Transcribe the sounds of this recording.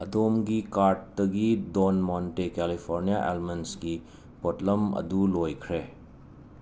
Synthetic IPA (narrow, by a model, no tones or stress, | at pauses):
ɐdomɡikaɾʈ̚dɐɡidonmontekɛlipʰoɾnijaʔḛlmensɡi | potlɐmɐ̰dulojkʰɾe